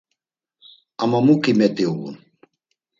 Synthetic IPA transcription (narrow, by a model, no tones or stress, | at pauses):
amamukʼimɛt̪ʼiuṵn